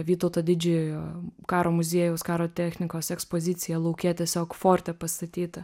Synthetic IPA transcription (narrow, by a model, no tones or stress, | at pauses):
ʋʲiːt̪oʊt̪ɐd̪ʲɪd͡ʒʲɪkɑːɾoːmʊzʲiɛjɛʊskɑːɾoːt̪ʲæːxʲnʲɪkoːsɛkspoːzʲɪt̪sʲɪjɛlˠɐʊkʲeːt̪ʲiɛsʲoːkfoːɾʲt̪ʲɛpɐst̪ɐt̪ʲiːt̪ɐ